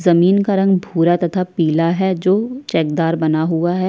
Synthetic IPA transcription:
zɐmiːnkaɾɐ̃ŋɡbʱuːɾat̪ɐt̪ʰapiːlaɦɛd͡ʒoːt͡ʃɛːk̚d̪aːɾbɐnaɦuaɦɛ

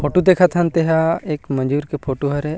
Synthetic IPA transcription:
pʰoːʈod̪eːkʰat̪ʰant̪eɦaeːkmɐ̃nd͡ʒuːɾkepʰoːʈoɦɐɾe

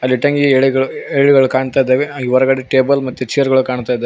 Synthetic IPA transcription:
ɐlːiʈɐŋɡieɭiɡɐɭueɭiɡɐɭukaːɳt̪aːjd̪eːʋeʋɐɾɐɡɐɽeʈeːbɐlmɐt̪ːut͡ʃijɐɾɡɐɭukaːɳt̪aːjid̪aː

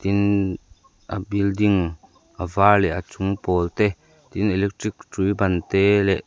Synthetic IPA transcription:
t̪in | ʔəbildiŋ | ʔəvaːlɛʔət͡sʊŋpɔlt̪ɛ | t̪inɛlɛk̚tɾik̚tɾibant̪ɛlɛʔ

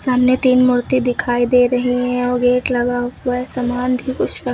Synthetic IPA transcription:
saːmnet̪iːnmʊɾt̪id̪ɪkʰaːid̪eːɾɐɦiɦɛ̃ɔːɾɡeːʈlɐɡaɛsɐmaːnbʱikʊt͡ʃʰɾɐ

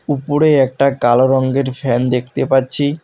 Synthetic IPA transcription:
upoɾeɛk̚ʈakaloɾɔŋɡeɾfɛnd̪ek̚ʰt̪epatːɕʰi

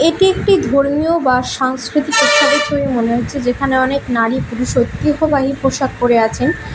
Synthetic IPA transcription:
eʈiekʈid̪ʱoɾmiobaʃaŋskɾit̪ikot̪ʰːab̪et͡ɕoimoneɦot̪ːɕʰed͡ʑekʰaneɔneknaɾipuɾuʃot̪ːiɦobaɦipɾoʃaɡ̚koɾeat͡ɕʰen

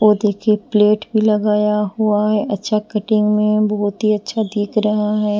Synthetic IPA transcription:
oːd̪eːkʰepleːʈbʱilɐɡaːjaɦuaɦɛɐtːʃʰakɐʈɪ̃ŋɡmẽbɔɦt̪ɦiɐtːʃʰad̪iːkʰɾɐɦaɦɛː

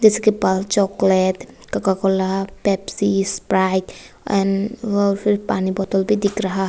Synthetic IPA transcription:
d͡ʒɛsɛkepalt͡ʃɔklet̪ | kakakɔlapɛpsispɾajt | ɛnɔpʰiɾpanibɔt̪ɔlbʱid̪ikɾaɦa

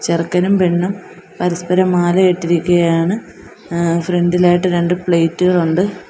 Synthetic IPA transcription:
t͡ɕerkːɐnumpeɳːum | pɐɾɐspɐɾɐmaːlɐeʈːiɾikʲːuɣɐjaːɳɨ | frendilaːjʈːɨɾe̞ɳɖɨpɭejtːuɣɐɭuɳɖɨ

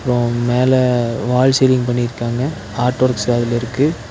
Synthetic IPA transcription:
ɐpːɯɾõmeːlɛʋaːlsɛlɪŋpɐɳːɪɪɾɯkːaːŋɡɐ | aːʈːʋɐɾksɐðɪlɪɾɯkːɯ

